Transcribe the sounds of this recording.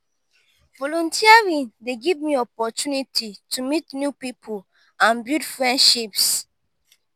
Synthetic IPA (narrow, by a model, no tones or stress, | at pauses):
vɔlɔ̃ntiaɹĩndeɡivmiɔpɔtunitʰitʰumitnjupipʰol | ãnbudfɹɛ̃ndʃips